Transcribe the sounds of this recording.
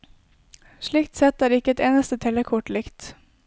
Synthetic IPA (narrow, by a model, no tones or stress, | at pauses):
ʂɭiːkt̪sɛt̪ːæːɾɪkːəɛt̪eːnəst̪ət̪ʰɛləkʰʊʈlɪkt̪